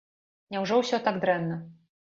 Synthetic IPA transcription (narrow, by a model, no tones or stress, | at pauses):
ɲɛwʐɔwɕɛt̪aɡd̪ɾɛnːɘ